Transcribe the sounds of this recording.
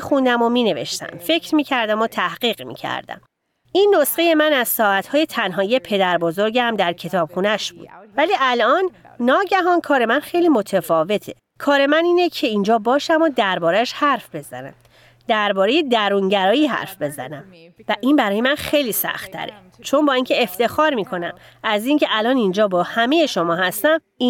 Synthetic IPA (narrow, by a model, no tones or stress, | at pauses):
xund̪æmomiːne̞vḛʃt̪æ̰mfe̞cʰɾmiːcʰæɾd̪æmot̪ʰæhɢiːɣmḭːcʰæ̰ɾd̪æ̰m | ʔinːosɢeje̞mænæzsɒːʔæt̪ʰhɒːje̞t̪ʰænɦɒːijepʰe̞d̪æɾbozoɾɟæmd̪æɾcʰe̞t̪ʰɒːb̥xunæʃb̥ṵːd̪̥væliːʔælʔɒːnː | ɒːɟæɦɒnkʰɒːɾe̞mænxe̞jliːmo̞t̪ʰefɒːve̞t̪ʰe | kʰɒːɾe̞mæniːnecʰe̞ind͡ʒɒːbɒːʃæmɒːd̪æɾbɒːɾæʃhæɾfbe̞zæ̰næ̰m | d̪̥æɾbɒːɾe̞je̞d̪æɾunɟæɾɒːjiːɦæ̰ɾfbe̞zæ̰næmvæʔinbæɾɒːje̞mænxe̞jliːsæ̰xt̪ʰːæ̰ɾe̞̰ | t͡ʃʰo̞nbɒːinŋcʰe̞eft̪e̞xɒːɾmiːkʰo̞næm | æziːŋcʰe̞ʔælɒːnind͡ʒɒːbɒːhæme̞je̞ʃo̞mɒːhæst̪æm | i